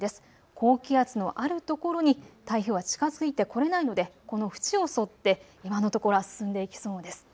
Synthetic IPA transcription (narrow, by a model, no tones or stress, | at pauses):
d̪e̞sɨ̥ | kʰo̞ːkʲiat͡sɨno̞ʔaɾɯ̟t̪o̞ko̞ɾo̞ɲ̟it̪aiçɯ̟ːβat͡ɕi̥kazɨ̥kɯ̟it̪ːe̞ko̞ɾe̞naino̞d̪e̞ko̞no̞ɸɯ̟̥t͡ɕio̞so̞t̪ːe̞ | imano̞t̪o̞ko̞ɾoasɨ̥sɨ̃nd̪e̞ikʲi̥so̞ːd̪e̞sɨ̥